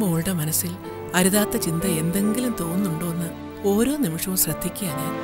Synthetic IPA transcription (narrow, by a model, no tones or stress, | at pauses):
moːɻɽɐmɐnɐsil | ɐɾuðaːt̪ːɐt͡ɕind̪ɐe̞nd̪e̞ŋɡilumt̪o̞ːnːuɳɖoːnːɐ | o̞ːɾo̞ːnimiʂɐʋumɕrɐd̪ʱːikʲːuaːni